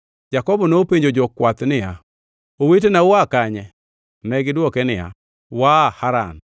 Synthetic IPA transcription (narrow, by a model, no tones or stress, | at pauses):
d͡ʒakɔbɔnopeɲd͡ʒod͡ʒɔkwat̪nɪja | owet̬enawakaɲɛ | nɛɡɪdwɔkɛnɪa̰ | wahaɾa̰n